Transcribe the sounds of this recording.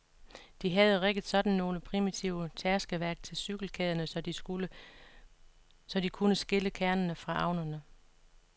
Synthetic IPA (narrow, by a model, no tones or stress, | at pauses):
d̥iɦæð̞ˠəʁeɡ̥əd̥̩ˠsɒ̽d̥n̩ːo̝ːləpʰʁimit͡sʰiʊ̰ət͡sʰæɐsɡ̥əʋæɐɡ̥̚t͡sʰe̝lsyɡ̥l̩kʰɛðˠɐnə | sɒ̽d̥ikʰunəsɡ̥e̝ləkʰæɐnənəfʁɑ̈ʔɑ̈ʊnɐnə